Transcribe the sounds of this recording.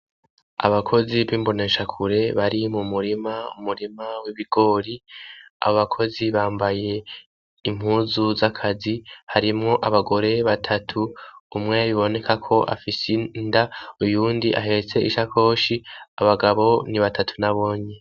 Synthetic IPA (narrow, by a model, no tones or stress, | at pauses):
a̰βakʰo̞ziβiːmbo̞ne̞ʃakʰuɾe̞βaɾimumuɾimaṵmuɾimawiβiɡ̥o̞ːɾia̰βoβakʰo̞ziβaːmbaje̞ː | m̥huːzuzakʰazihaɾimŋo̞ʔaβaɡo̞ɾe̞βatʰatʰuːmŋe̞aβiβo̞ne̞kʰakʰo̞ʔa̰fisindaujuːndiʔa̰ɦe̞eɾet͡se̞ʔiʃakʰo̞ːʃiaβaɡaβo̞niβatʰatʰu̥naβo̞ːɲe̞